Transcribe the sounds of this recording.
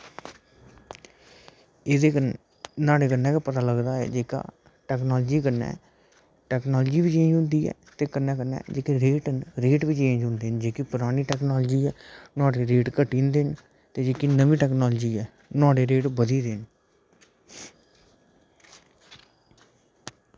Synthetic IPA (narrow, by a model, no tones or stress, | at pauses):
eːd̪eːkə | naːɽeːkənːɛ̃ːkepət̪aːləɡd̪aːɛ̰ːd͡ʒeːka̰ː | ʈɛːknɔːld͡ʒiːkənːɛ̰ː | ʈɛːknɔːld͡ʒiːbiːt͡ʃẽːd͡ʒʊ̃ːnd̪iːɛ̰ːt̪eːkənːɛːkənːɛ̰ːd͡ʒeːkeɾeːʈənɾeːʈbiːt͡ʃeẽːd͡ʒɦʊ̃ːnd̪eːnd͡ʒeːkɪpʊɾaːniːʈɛːknɔːld͡ʒiːɛːnɔ̃ːɖeːɾeːʈkəʈːĩːnd̪eːn | t̪eːd͡ʒeːkinəʋĩːʈɛːknɔːld͡ʒiːɛː | nɔːɖeːɾeːʈbəd̪iːd̪eːn